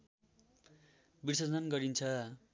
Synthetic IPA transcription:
birsʌd͡zʌnɡʌɾint͡sʰʌ

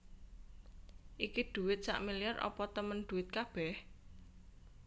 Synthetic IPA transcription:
ʔikid̪̥ṳwɪt̪̚sa̰ʔmiliarʔɔ̰pɔt̪əmənd̪̥ṳwɪt̪̚kab̥ɛh

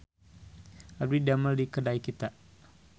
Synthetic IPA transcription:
abidaməldikədaikit̪a

